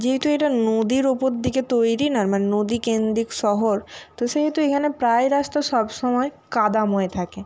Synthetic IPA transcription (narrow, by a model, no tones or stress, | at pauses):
d͡ʑeɦet̪ueʈanod̪iɾupoɾd̪iket̪ojɾinaɾmanenod̪ikend̪ɾikʃɔɦoɾt̪oʃeɦet̪uekʰanepɾaeɾast̪aʃɔbʃɔmɔe | kad̪amoet̪ʰake